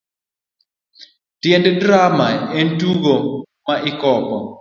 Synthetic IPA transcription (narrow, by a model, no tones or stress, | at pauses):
tjɛnddɾamaentuɡo | maʔɪkɔbɔ